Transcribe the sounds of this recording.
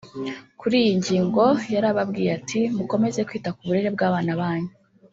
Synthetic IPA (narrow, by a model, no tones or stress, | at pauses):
kuɾiːjiɲɟiːŋɡo̞jaɾaβabɡiːjatʰimuko̞me̞ze̞kwiːtakuβuɾe̞ɾe̞b̚ɡaːβaːnaβaːɲu